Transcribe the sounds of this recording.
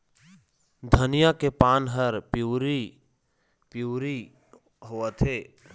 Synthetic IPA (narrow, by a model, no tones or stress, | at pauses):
d̪ʱənijakepaːnɦəɾpuɾi | pjuːɾi | ɦoət̪ʰɦeː